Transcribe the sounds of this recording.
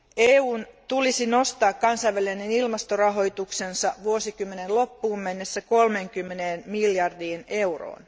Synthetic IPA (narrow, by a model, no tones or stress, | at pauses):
eːuːnt̪ulisino̞st̪ɑːkkɑnsɑjʋælienenilmɑst̪orɑɦo̞jt̪ukse̞nsɑʋuosikymːenenlo̞pːuːmmenːesːæko̞lme̞ŋk̟ymːeneːnmiljɑrdiːne̞wro̰ːn